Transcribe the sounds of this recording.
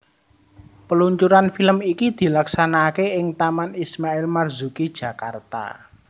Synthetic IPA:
pəluɲt͡ʃuɾanfiləmikid̪̥i̤laksanakeɪŋt̪amanismaɪlmarzukid̥ʒ̥ä̤kart̪a̰

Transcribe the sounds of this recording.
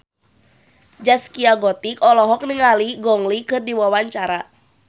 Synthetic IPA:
d͡ʒaskiaɡɔt̪ikɔlɔɦɔk̚niŋaliɡɔŋlikɨrdiwawaɲt͡ʃaɾa

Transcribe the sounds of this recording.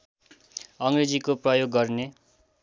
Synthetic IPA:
ʌŋred͡zikoprʌjoɡːʌrne

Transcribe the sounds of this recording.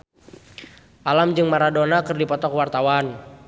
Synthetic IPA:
ʔalamd͡ʒɨŋmaɾadɔnakərdipɔt̪ɔkwart̪awan

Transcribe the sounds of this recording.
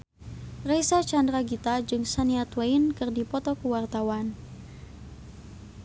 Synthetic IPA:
rejsat͡ʃandɾaɡit̪ad͡ʒɨŋsaniat̪weinkɨrdipɔt̪ɔkuwart̪awan

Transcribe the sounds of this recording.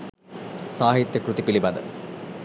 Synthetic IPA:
saːɦit̪ːjɐkrut̪ːipːilibɐd̪ɨ̰

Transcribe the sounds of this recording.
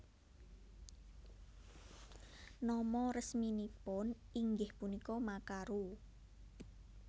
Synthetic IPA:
nɔmɔɾəsminipʊniŋɡɪhpunikɔmakaɾu

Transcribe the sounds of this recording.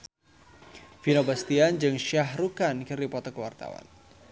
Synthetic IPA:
finobast̪iand͡ʒɨŋʃaɦrukankɨrdipɔt̪ɔkəwa̰rt̪a̰wa̰n

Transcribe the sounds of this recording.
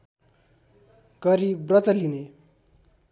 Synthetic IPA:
ɡʌɾibrʌt̪ʌline

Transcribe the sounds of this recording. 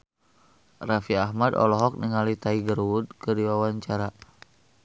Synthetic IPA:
rafiaɦmad̪ɔ̰lɔɦɔk̚niŋalit̪aiɡəɾwud̪̚kɨdiwawaɲt͡ʃaɾa

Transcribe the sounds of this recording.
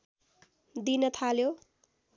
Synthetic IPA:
d̪inʌt̪ʰaljo

